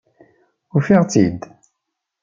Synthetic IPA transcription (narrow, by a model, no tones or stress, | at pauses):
ʊɾfiʁt͡sid̪